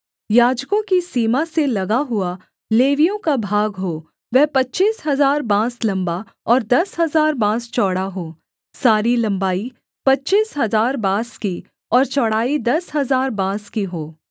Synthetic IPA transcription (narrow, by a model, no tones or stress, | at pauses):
jaːd͡ʒkõkisiːmaselɐɡaɦʊa | leːʋijõkabʱaːɡɦoː | ʋɛɦpɐtːt͡ʃiːsɦɐzaːɾbãːslɐ̃mba | ɔːɾd̪ɐsɦɐzaːɾbãːst͡ʃɔːɽaɦoː | saːɾilɐ̃mbaːi | pɐtːt͡ʃiːsɦɐzaːɾbãːski | ɔːɾt͡ʃɔːɽaːid̪ɐsɦɐzaːɾbãːskiɦoː